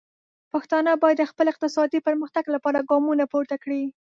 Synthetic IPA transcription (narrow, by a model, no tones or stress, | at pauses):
paxt̪ɑnəbɑjad̪ːəxpəlɪq̚t̪ɪsɑd̪ipəɾməxt̪aɡlapɑɾaɡɑmunapoɾt̪akɽi